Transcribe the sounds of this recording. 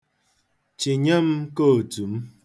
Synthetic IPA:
t͡ʃi˨ɲə˦m˦ko˦o˨tu˨˦m˦

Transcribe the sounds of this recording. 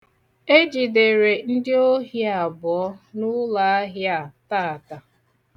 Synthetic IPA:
e˦d͡ʒi˨de˨ɾe˨n̩˦dɪ˦o˦ɦja˨bʊ˨ɔ˦nʊ˦la˨a˦ɦja˨ta˦˨ta˨

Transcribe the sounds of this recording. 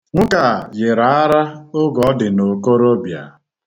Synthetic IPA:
ŋ̩˦ka˨jɪ˨ɾa˨a˦ɾa˦ʊ˦ɡɔ˨ɔ˦dɪ˨no˨ko˦ɾo˦bja̰˨

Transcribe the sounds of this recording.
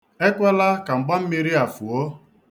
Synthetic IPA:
e˦kʷa˦la˦ka˨ŋ͡m̩˨ɡ͡ba˦m̩˦mi˦ɾi˦a˨fu˨o˦

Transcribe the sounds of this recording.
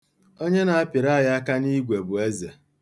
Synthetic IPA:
o˦ɲe˦na˨a˦pɪ˨ɾa˦˨ja˦a˦ka˦ni˦ɡʷe˨bʊ˨e˦ze˨

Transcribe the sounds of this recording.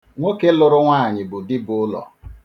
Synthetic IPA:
ŋʷo˦ke˦lʊ˨ɾʊ˦ŋʷaː˦˨ɲɪ˨bʊ˨dɪ˦bʊ˦ʊ˦lɔ̰˨

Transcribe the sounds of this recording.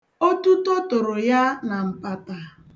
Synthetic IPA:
o˦tu˦to˦tʊ˨ɾʊ˨ja˦na˨m̩˨pa˨ta˨

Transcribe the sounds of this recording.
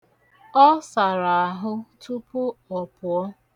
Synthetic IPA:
ɔ˦sa˨ɾa˨a˨ɦʊ˦tʰu˦pʊ˦ɔ˨pʊ˨ɔ˦

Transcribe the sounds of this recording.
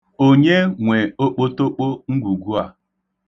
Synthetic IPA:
o˦ɲe˦ŋʷe˨o˦k͡po˦to˦k͡po˦ŋ̩˦ɡʷu˨ɡu˦a̰˨

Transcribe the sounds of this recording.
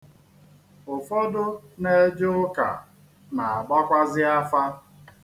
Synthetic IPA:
ʊ˨fɔ˦dʊ˦ne˨˦d͡ʒʊ˦ʊ˦ka̰˨ | na˨a˨ɡ͡ba˦kʷa˦zɪ˦a˦fa˦

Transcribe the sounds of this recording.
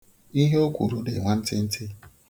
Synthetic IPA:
i˦ɦe˦o˦kʷṵ˨ɾu˦de˨ŋʷa˦n̩˦tɪ˦n̩˦tɪ˦

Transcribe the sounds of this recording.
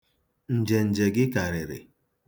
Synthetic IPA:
n̩˨d͡ʒe˨n̩˨d͡ʒe˨ɡɪ˦ka˨ɾɪ˨ɾɪ̰˨

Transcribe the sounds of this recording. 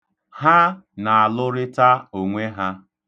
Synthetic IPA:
ha˦na˨a˨lʊ˦ɾɪ˦ta˦o˨ŋʷe˦ɦa˦

